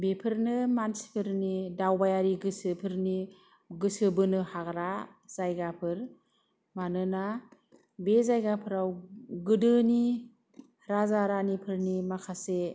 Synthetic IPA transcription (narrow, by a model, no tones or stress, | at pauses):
bepʰɯɾnɯmansi̥pʰɯɾnidawbajaɾiɡɯsɯpʰɯɾni | ɡɯsɯbɯnɯhaɡɾa | z̥ajɡapʰɯɾ | manɯna | bezajɡapʰɯɾawɡɯdɯni | ɾazaɾanipʰɯɾnimakʰase